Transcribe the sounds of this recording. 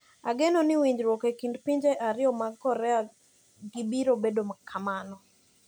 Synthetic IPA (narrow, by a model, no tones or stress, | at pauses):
aɡenɔnɪwiɲd͡ʒɾwɔkekindpiɲd͡ʒeʔaɾɪɔmakɔɾɛa | ɡibiɾobedomakʰamanɔ